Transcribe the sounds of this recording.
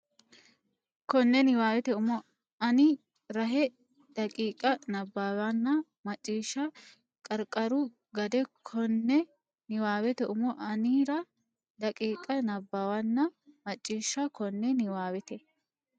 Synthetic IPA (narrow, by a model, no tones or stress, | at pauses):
kɔnːɛnɪwaːwɛt̪ɛʊmɔ | ɐnɪ | ɾɐɦɛ | d̪̥ɐkʼiːkʼɐnɐbːawɐnːɐ | mɐt͡ʃʼːiːʃːɐ | kʼɐɾkʼːɐɾʊ | ɡɐd̪ɛkʰɔnːɛ | nɪwaːwɛt̪ɛʔʊmɔʔɐniːɾɐ | d̪ɐkʼiːkʼɐnɐbːawɐnːɐmɐt͡ʃʼːiːʃːɐkɔnːɛnɪwaːwɛt̪ɛ